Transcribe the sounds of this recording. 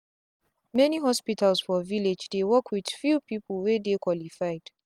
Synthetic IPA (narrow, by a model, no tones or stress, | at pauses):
mɛniɦɔspitʰalsfɔviled͡ʒdewɔkʰwid̥fupipəlwedekwɔlifajd̥